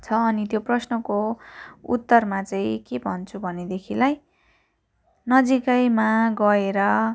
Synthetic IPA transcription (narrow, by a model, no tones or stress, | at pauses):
t͡sʰʌːnit̪joprʌsnʌkoṵt̪ːʌrmat͡saĩkebʱʌnt͡sʰubʱʌned̪ekʰilaj | nʌd͡zikʌjmaɡʌeɾʌ